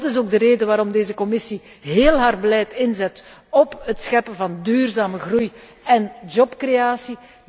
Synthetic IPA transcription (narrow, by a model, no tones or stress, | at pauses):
tɪs̬oːɡ̚dəɾeːdəʋaːɾɔmdeːzəkɔmɪsi | ɦeːlˠɦaːrbəlɛjtɪnzɛt | ɔpətsxɛpəvɑndyːrzaːməɣruj | ɛnd͡ʒɔpkreaːsi